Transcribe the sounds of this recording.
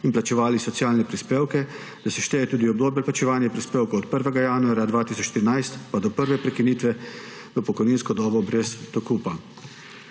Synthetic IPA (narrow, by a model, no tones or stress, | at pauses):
inplat͡ʃɛʋaːlisɔt̪sjaːlnɛpɾispeːwkɛ | d̪̥asɛʃt̪ɛːjɛt̪uːd̪iɔbd̪oːbjɛlplat͡ʃɛʋaːnjɛpɾispeːwkowɔt̪pəɾʋɛɡajaːnuaːɾjad̪ʋaːt̪iːsɔt͡ʃʃt̪iɾinajst̪pad̪ɔpəɾʋɛpɾɛkiniːt̪ʋɛ | ʋəpɔkɔjniːnskɔd̪ɔːbɔbɾɛst̪ɔkuːpa